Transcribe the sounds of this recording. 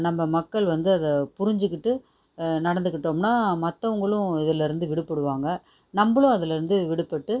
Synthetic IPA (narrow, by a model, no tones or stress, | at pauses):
nɐmːɐmɐkːɐɭʋɐnd̪ɯɐðɐpʊɾɪɲd͡ʒɯkːɪʈːɯ | nɐɽɐnd̪ɯkːɪʈːoːmnaːmɐt̪ːɐʋɐŋɡɐɭʊ̃ɪðɪlɪɾɯnd̪ɯʋɪɽɯpːɐɽɯʋaːŋɡɐ | nɐmbɐɭʊ̃ɐðɪlɪɾɯnd̪ɯʋɪɽɯpːɐʈːɯ